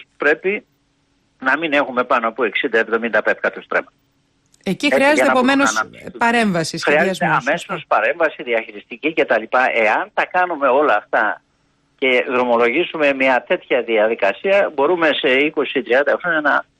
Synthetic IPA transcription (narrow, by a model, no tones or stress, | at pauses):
pɾe̞pi | nɐmine̞xume̞pɐnopue̞ksind̪ɐe̞vðo̞mind̪ɐpefkɐt̪ust̪ɾemɐt̪ | eciɾiɐzɐtenɐomenosnɐpɐɾe̞ɱvɐsisxɾiɐzzeɐme̞so̞spɐɾe̞ɱvɐsiðiɐçiɾist̪icice̞t̪ɐlipɐʔe̞ɐnt̪ɐkɐnume̞o̞lɐːft̪ɐ | ce̞ðɾo̞mo̞lo̞ʝizume̞miɐt̪e̞t̪çɐðiɐðikɐsiɐbo̞ɾume̞se̞iko̞sit̪ɾiɐnd̪ɐfɾoɲɐnɐ